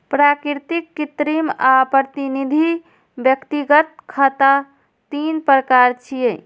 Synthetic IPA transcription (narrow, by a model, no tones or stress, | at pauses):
pɾakɾt̪ikːit̪ɾimapɾət̪inid̪ʱi | bjəkt̪iɡət̪̚kʰət̪a | t̪inpɾəkaɾt͡ʃʰije